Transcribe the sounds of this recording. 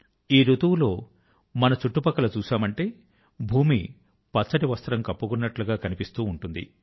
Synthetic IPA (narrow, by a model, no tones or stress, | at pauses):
iːɾut̪uwlo̞ː | mɐnɐt͡ʃuʈːupɐkːɐlɐt͡ʃuːsaːmɐɳʈe̞ː | bʱuːmḭ | pɐt͡sːɐʈiʋɐst̪ɾɐmkɐpːukunːɐʈluɡaːkɐnipist̪uːɳʈund̪ḭ